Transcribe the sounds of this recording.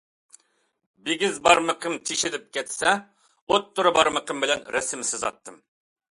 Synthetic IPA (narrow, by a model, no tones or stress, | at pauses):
beɡʲɪzbɑɾmɨqʰəmt͡ʃ̪ʰiʃɪlɪp̚kʲɛt̪sɛ | ot̪ʰːʊɾɨbɑɾmɨqʰəmbɪlɛnɾɛsɪmɪsɪzɑ̰t̪ʰːɨm